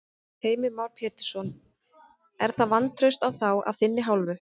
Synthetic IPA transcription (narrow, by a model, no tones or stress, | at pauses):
heːjmɪmawɾ̥pʰɛːt̪ɪɾ̥sɔn | ɛɾ̥θaðvant̪ʰɾœɥst̪awθawa̰vθɪnːɪɦawlvʏ